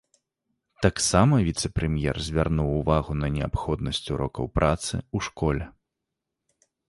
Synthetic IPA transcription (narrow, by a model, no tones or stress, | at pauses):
t̪aksamɐvʲit̪sɛpɾɛmʲjɛ̰rzʲvʲarnuwːvaɣunɐnʲɛapxɔd̪̚nɐsʲt͡sʲuɾɔkɐwpɾʔat̪sɨ̰uʂkɔlʲɛ